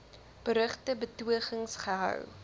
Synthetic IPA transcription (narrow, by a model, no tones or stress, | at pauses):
b̥əɾəχtəbətuəχəŋsχəɦœ̰w